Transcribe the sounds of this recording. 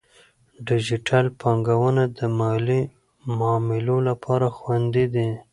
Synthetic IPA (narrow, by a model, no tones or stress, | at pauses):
ɖɪd͡ʒiʈʰalpɑŋɡawənad̪əmɑli | mɑmɪlolapʰɑɾaxwand̪id̪i